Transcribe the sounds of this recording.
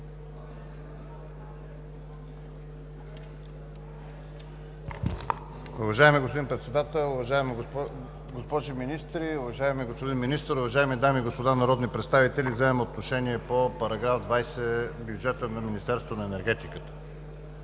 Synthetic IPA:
ʊvɐʒaɛmiɡospʊd̪inpɾɛt̪sɛd̪at̪ɛlˠʊvɐʒaɛm | ɡospɔʒiminist̪ɾiʊvɐʒaɛmiɡospod̪inminist̪əɾʊvɐʒaɛmid̪amiːɡospod̪anɐɾɔd̪nipɾɛt̪st̪avit̪ɛlivzɛɛmot̪noʃɛniɛpopɐɾɐɡɾavd̪vajsɛbjud͡ʒɛt̪ənɐminist̪ɛɾst̪vonɐɛnɛɾɡɛt̪ikə̥t̪ə̥

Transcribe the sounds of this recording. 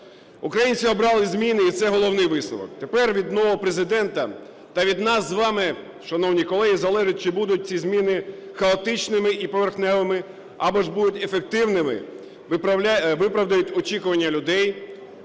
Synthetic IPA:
ukɾɐjinʲt͡ssʲiɔbɾɑlˠɪzʲmʲinɪit̪sɛɦɔlˠɔwnɪjʋɪslˠɔ̰ʋɔ̰k̚t̪epɛrʋʲid̪nɔʋɦɔpɾezɪd̪ɛnt̪ɐ | t̪ɐʋʲid̪nɑzzːʋɑmɪ | ʃɐnɔwnʲikɔlˠɛɦizɐlˠɛʒʊt̚ʲt͡ʃɪbud̪ʊt̚ʲt͡sʲizʲmʲinɪxɐɔt̪ɪt͡ʃnɪmɪʔipɔʋerxnɛʋɪmɪ | ɑbɔʒbud̪ʊtʲefek̚t̪ɪwnɪmɪ̰ | ɪpɐʋɪpɾɐʋd̪ɐjʊtʲɔt͡ʃʲikʊʋɐnʲːɐlʲʊd̪ɛj

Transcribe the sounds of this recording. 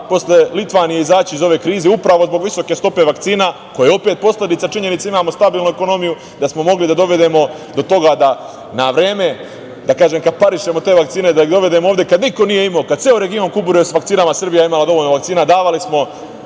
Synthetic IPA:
po̞sʎe̞lit̪ʋaːnije̞izaːt͡ɕiizo̞ʋe̞ːkɾiːzeupɾaʋo̞zbo̞ɡʋiso̞ke̞st̪o̞pe̞ʋakt̪siːna | ko̞jeo̞pet̪̚po̞slʲe̞d̪it̪at͡ʃiɲe̞nit̪seimaːmo̞st̪abiːlˠnue̞ko̞no̞miju | d̪asmo̞mo̞ɡlid̪ad̪o̞ʋe̞d̪e̞mo̞ | d̪o̞t̪o̞ɡad̪a | naʋɾeːme̞ | d̪akaːʒemkad̪̚paɾiʃe̞mo̞t̪e̞ːʋakt̪siːned̪aid̪o̞ʋe̞d̪e̞mooːvd̪jekad̪niko̞nije̞imaːkad̪t̪eoɾeɡio̞ŋkubuɾesʋakt̪siːnamasr̩bijaimalad̪o̞ʋoʎnoʋakt̪siːnad̪aːʋalismo̞

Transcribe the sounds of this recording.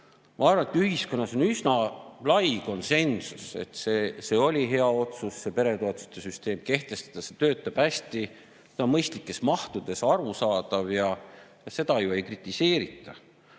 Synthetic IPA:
mʔɑɑrvɑnet̪yhisko̞nːɑso̞nysnɑlɑjko̞nse̞nsuse̞̰t̪se̞se̞ːo̞lʲiɦe̞ɑo̞t̪susːe̞pe̞ɾe̞t̪o̞ɑt̪ˑust̪ːˑesyst̪e̞ːmke̞ht̪e̞st̪ɑ̥d̪̥ɑset̪øːt̪ːˑɑb̥hæsʲt̪i | et̪ɑmɤjst̪likːˑe̞smɑht̪ud̪̥e̞sɑɾusɑːd̪̥ɑvjɑjɑse̞d̪ɑjue̞jkrit̪ːˑise̞ːɾit̪ːˑɑ

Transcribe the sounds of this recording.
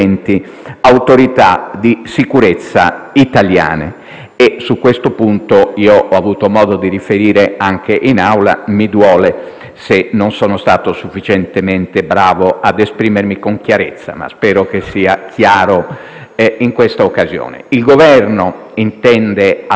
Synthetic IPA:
nt̪i | awt̪oɾit̪a̰d̪isikuɾet̪sːa̰it̪alja̰ːnḛ | esukːwest̪opunt̪oiːoʔɔavuːt̪omɔːd̪od̪irifeɾiːɾeaŋk̟eʔinawla̰mid̪wɔːle | senːonsɔːnost̪aːt̪osufːit͡ʃent̪ement̪ebɾaːvoʔad̪espɾiːmeɾmikoŋkjaɾet̪sːa̰ma̰spɛːɾokesːiːak̟ʰjaːɾo | iŋkwest̪aokːazjo̰ːnḛilɡovɛrno | int̪ɛnd̪ea

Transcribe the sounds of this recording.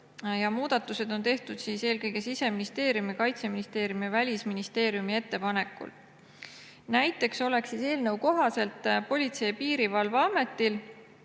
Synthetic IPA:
jɑmuːd̪̥ɑt̪ːˑuse̞d̪̥o̞nt̪e̞ht̪ud̪̥siːse̞ːlkɤjɡe̞sise̞minist̪e̞ːɾjumikɑjt̪seminist̪e̞ːɾjumivælʲisminist̪e̞ːɾijumie̞t̪ːe̞pɑne̞kːˑṵl | næjt̪ːˑe̞kso̞le̞ksise̞ːlnəwko̞ɦɑse̞lt̪ːˑpo̞lʲit̪se̞jpiːɾivɑlvɑme̞t̪ːil

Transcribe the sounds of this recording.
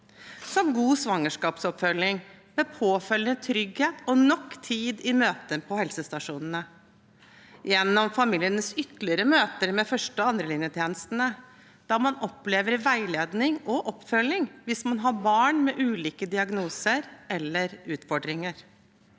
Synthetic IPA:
sɔmɡuːsʋɑŋːəʂkɑːpsɔpfœlːɪŋmɛːpʰoːfœlət̪ʰɾʏɡheːt̪ɔnɔkːt̪ʰiːd̪ɪmøːt̪əpʰɔhɛlsəst̪ɑʂuːnən̩ə | jɛnːɔmfɑmiːlɪənəsʏt̪lɪəɾəmøːt̪əɾmɛfœʂʈəɔɑnd̪ɾəlɪnjət̪ʰjeːnəst̪ənə | d̪̥ɑːmɑnɔpːleːʋəɾʋæɪleːd̪nɪŋɔʔɔpːfœlːɪŋʋɪsmɑnɦɑbɑːɳmɛʔʉːliːkəd̪ɪɑɡnuːsəɾɛlːəɾʉːt̪fɔɖɾɪŋəɾ

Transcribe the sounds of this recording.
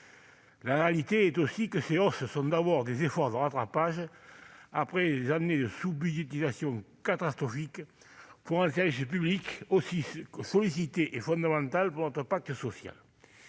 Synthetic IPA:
laʁealit̪eɛt̪osikəseɔsəsɔ̃d̪abɔʁd̪ezefɔʁd̪əʁat̪χapaʒə | apχed̪ezaned̪əsubyd̪jet̪izasjɔ̃ŋkat̪ast̪χʁɔfik | puʁɛ̃nseʁisəp̬yblikosisɔlisit̪eʔefɔ̃nd̪amɑ̃nt̪alpuʁnɔt̪χəpak̚t̪əsɔsja̰l

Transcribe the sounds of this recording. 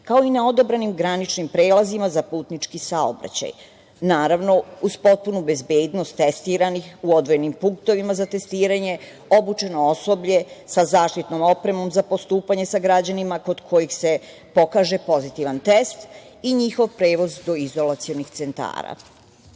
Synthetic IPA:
kao̞inao̞d̪o̞bɾanimɡɾanit͡ʃnimpɾeːlazimazapuːt̪nit͡ʃkisao̰bɾa̰t͡ɕa̰j | naːɾaʋno̞uz̥po̞t̪̚punube̞zbeːd̪no̞st̪ːest̪iːɾanixuo̞d̪ʋo̞je̞nimpuŋk̚t̪o̞ʋimazat̪e̞st̪iːɾaɲe̞ | o̞but͡ʃe̞no̞o̞so̞bʎe̞sazaːʃt̪it̪no̞mo̞pɾe̞mo̞mzapo̞st̪uːpaɲe̞saɡɾad͡ʑanimako̞d̪kʰo̞jixse̞ | po̞kaːʒe̞po̞zit̪iʋant̪est̪ | iɲixo̞ʋpɾeːʋo̞zd̪o̞izo̞lat̪sijonixt̪se̞nt̪a̰ːɾa̰

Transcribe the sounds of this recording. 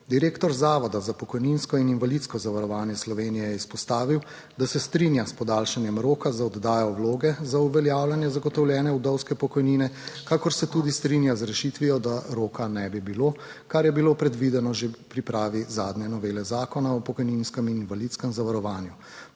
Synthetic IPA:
d̪iɾeːkt̪ɔɾzaːʋɔd̪azapɔkɔjninskɔininʋalit̪skɔzaʋaɾɔʋaːnjɛslɔʋeːnijɛjɛispɔst̪aːʋiw | d̪asɛst̪ɾinjaspɔd̪aːlʃanjɛmɾoːkazaɔd̪ːaːjɔwloːɡɛzauʋɛljaːwljanjɛzaɡɔt̪ɔwljɛːnɛud̪ɔwskɛpɔkɔjniːnɛkakɔɾsɛt̪ud̪ist̪ɾinjazɾɛʃit̪ʋijɔd̪aɾoːkanɛbibilokaɾjɛbilopɾɛd̪ʋid̪ɛnɔʒepɾipɾaːʋizaːd̪njɛnɔʋeːlɛzaːkɔnaɔpɔkɔjninskɛmininvalit̪skɛmzaʋaɾɔʋaːnju

